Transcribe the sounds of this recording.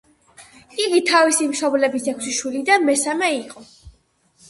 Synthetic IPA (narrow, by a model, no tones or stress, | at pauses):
iɡit̪ʰavisimʃɔblɛbisɛkʰsiʃwilid̪anmɛsamɛiqʼɔ